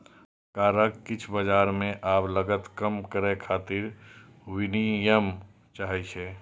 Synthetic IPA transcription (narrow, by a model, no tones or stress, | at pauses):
kaːɾəkːɪt͡ʃʰbəd͡ʒaːɾmẽʔaːbləɡət̪kəmkəɾekʰaːt̪ɪɾ | wɪnijəm | t͡ʃaːɦɛt͡ʃʰɛ